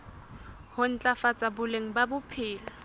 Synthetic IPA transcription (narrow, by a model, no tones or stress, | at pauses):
hʊn̩t͡ɬʼafat͡sʼabʊleŋ̩babʊpʰɪːla